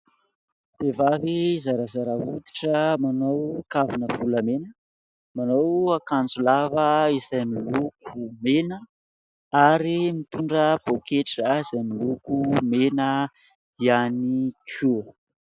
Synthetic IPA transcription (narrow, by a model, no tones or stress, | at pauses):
v̥evavizaɾazaɾaɦut̪i̥ʈ͡ʂəmanowkavinəv̥uləmenə | manowakand͡zulavəizajmilukʰumenə | aɾimit̪uɳɖ͡ʐəb̥okʰeʈ͡ʂəiz̥ajmilukumenə | ianikʰu